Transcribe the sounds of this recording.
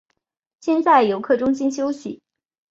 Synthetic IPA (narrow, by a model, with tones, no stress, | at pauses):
ɕjɛ˥˧nt͡sa˥˩ɪjo˧˥ʊkʰɤ˥˩ʈ͡ʂʊ˥ŋɕi˥nɕjo˥ʊɕi˨˩˦